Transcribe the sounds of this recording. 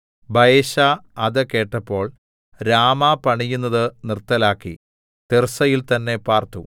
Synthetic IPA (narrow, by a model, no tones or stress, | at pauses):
bʱɐjeɕaɐðɨke̞ːʈːɐpːo̞ːɭ | ɾaːmapɐɳijunːɐðɨnirt̪ːɐlaːkːḭ | t̪ersɐjilt̪ɐnːe̞paːrt̪u